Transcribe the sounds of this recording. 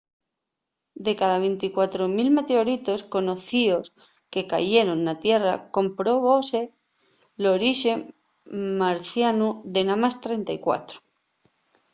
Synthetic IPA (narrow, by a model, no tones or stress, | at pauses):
d̪e̞kaðaβe̞nt̪ikwat̪ɾomilme̞t̪e̞oɾit̪o̞sko̞no̞θio̞s | ke̞ka̰ʝe̞ɾo̞nːat̪je̞ra̰ko̞mpɾoβose | lo̞ɾiʃe̞ | maɾθjanuðe̞namast̪ɾe̞nt̪ajkwa̰t̪ɾo̥